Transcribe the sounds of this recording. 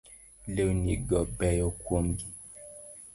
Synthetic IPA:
lewniɡɔbɛjɔkwomɡi

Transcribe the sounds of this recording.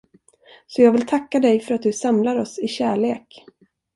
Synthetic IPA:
sɔjɑːɡvɪlt̪ʰakːad̪ɛjfœɾat̪̚d̪ɵsamlaɾɔsɪɕæːɭeːk

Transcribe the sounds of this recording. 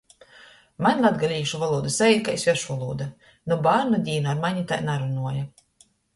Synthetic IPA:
manʲlˠad̪ɡalʲiːʃuvalˠuːd̪asaiːd̪kaisʲvʲɛɾʃvalˠṵːd̪a | nɔbaːɾnɔd̪ʲiːnaːɾmaɲʲit̪ajnaɾunuɔja

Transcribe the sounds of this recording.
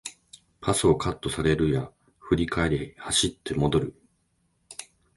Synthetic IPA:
pʰasɨo̞kʰat̪ːo̞saɾe̞ɾɯ̟ja | ɸɯ̟ɾʲikae̞ɾehaɕit̪ʰːe̞mo̞d̪o̞ɾɯ̟

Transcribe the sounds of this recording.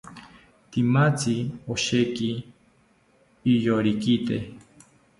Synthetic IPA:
t̪imat͡sioʃeki | joɾikit̪ḛ

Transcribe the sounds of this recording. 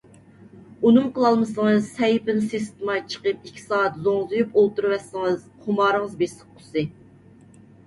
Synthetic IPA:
unɨmqʰəlˠɑlˠmɨsɨŋɨzsɛjpɪnsɨs̬t̪ɨmɑt͡ʃʰə̥qəp̚ikʲʰːi̥sɑːɑt̪zoŋzɨjupolˠt̪uɾwɛsːɨŋɨz̥ | qʰʊmɑːɾəŋəzbeʃsəq̚qʰʊ̥sɨ

